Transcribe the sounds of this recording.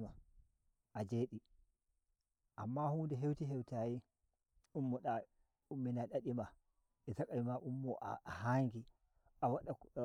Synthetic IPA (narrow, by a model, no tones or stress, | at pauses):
ma | ʔad͡ʒeːɗi | ʔamːahuːndɛɦewtiɦɛwtaːji | ʔumːɔɗa | umːinaɗaɗima | ɛzakʼawimaʔumːɔʔa̰ahaŋɡi | ʔawaɗa